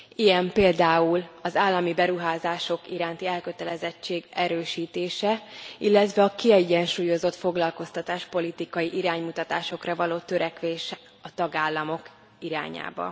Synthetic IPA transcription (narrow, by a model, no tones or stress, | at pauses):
ijɛmpeːld̪aːulɒzaːlːɒmibɛɾuɦaːzaːʃo̞kiɾaːnt̪iɛlkø̞t̪ɛlɛzɛt͡ʃːeːɡɛɾøːʃiːt̪eːʃɛilːɛt̪ʋɛɒkiɛɟɛnʃuːjo̞zo̞t̪fo̞ɡlɒlko̞st̪ɒt̪aːʃpo̞lit̪ikɒjiʔiɾaːɲmut̪ɒt̪aːʃo̞krɒvɒloːt̪ø̞ɾɛkʋeːʃ | ɒt̪ɒɡaːlːɒmo̞k | iɾa̰ːɲa̰ːbɒ̰